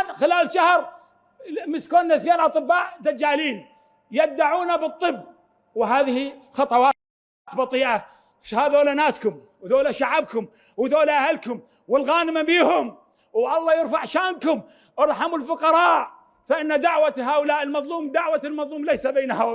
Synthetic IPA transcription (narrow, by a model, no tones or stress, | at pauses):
nxɪlaːlʃahɾ | mɪskoːnːaθjeːlʔɑt̪ˤɨbːaːʔd̪ad͡ʒːaːliːn | jad̪ːaʕuːnabɨt̪ˤːɨbː | wɦaːðɪhixɑt̪ˤɑwɑː | t̪bɑt̪ˤiːʔa | ʃhaːðoːlanaːskʊm | wðoːlaʃaʕabkʊm | wðoːlaʔahalkʊm | wɪlɣaːnɪmabiːhʊm | wʔɑlˤːɑːjɪɾfaʕʃaːnkʊm | ʔɑɾˤħamʊlfʊqɑɾˤɑːʔ | faʔɪnːad̪aʕwaɦaːʔʊlaːʔɪlmɑðˤluːmd̪aʕwalmɑðˤluːmlejsabeːnahaː